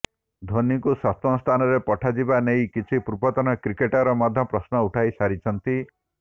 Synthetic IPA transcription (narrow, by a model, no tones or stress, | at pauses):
d̪ʱonikusɔt̪ɔst̪ʰanɔɾepɔʈʰad͡ʒibanejkit͡ʃʰipuɾbɔt̪ɔnɔkɾikeʈaɾɔmɔd̪ʱːɔpɾɔsnɔuʈʰajsaɾit͡ʃʰɔnt̪i